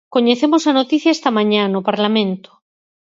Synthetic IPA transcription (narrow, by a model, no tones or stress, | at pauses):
koɲeθemosanot̪iθjaest̪amãɲãnopaɾlamẽnt̪o̥